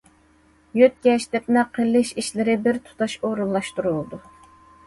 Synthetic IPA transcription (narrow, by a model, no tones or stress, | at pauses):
jøt̪̚kʲɛʃd̪ɛpnɛqʰəlːɪʃiʃlɪɾɪbɪɾt̪ʰu̥t̪ʰɑʃoɾulˠːɑʃt̪uɾulˠd̪u